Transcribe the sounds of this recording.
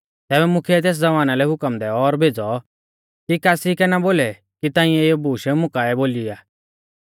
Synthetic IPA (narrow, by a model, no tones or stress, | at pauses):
t̪ɛːbɛmʊkʰɛɛt̪̬eːs̬d͡zɐʋaːnalɛɦʊkəmd̪ɛɔɔɾbʱeːd͡zɔ | kikaːsikɛnaboːlɛ | kit̪ãːɪ̃ɛjɔbuːʃɛmʊkaːɛboːliaː